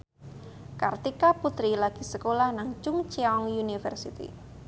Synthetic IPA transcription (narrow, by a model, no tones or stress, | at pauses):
kart̪ikaput̪ɾilaɡ̥i̤səkolahnaŋt͡ʃʊŋt͡ʃiɔŋjunifɛrsit̪ḭ